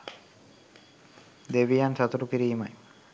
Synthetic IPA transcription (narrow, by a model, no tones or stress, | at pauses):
d̪eʋijansɐt̪uɾukiɾiːmaj